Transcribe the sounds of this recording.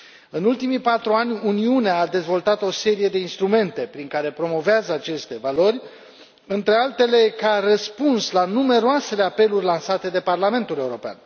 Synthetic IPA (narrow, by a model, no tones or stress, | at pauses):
ɨnult̪imipat̪ɾuanʲuniuneaːd̪e̞zvo̞lt̪at̪o̞se̞ɾije̞d̪e̞inst̪ɾume̞nt̪e̞pɾiŋkaɾe̞pɾo̞mo̞veazəat͡ʃe̞st̪e̞valo̞ɾʲ | ɨnt̪ɾe̞alt̪e̞le̞karəspunslanume̞ɾoase̞le̞ape̞lurʲlansat̪e̞d̪e̞parlame̞nt̪ule̞uɾo̞pea̰n